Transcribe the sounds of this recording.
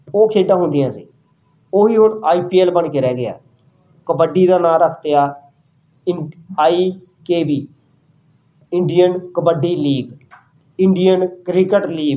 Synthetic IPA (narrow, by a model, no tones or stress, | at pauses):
oːkʰeːɖãːɦʊ̃nd̪ɪjãːsḭː | oːɦiːɦʊnaːiːpiːɛːlbəɳkeːɾɛːɡɪa̰ː | kəbəɖiːd̪aːnãːɾəkʰt̪ejaː | ɪaːiː | keːbiː | ɪɳɖijənkəbəɖiːliːɡ | ɪɳɖijənkɾɪkəʈliːb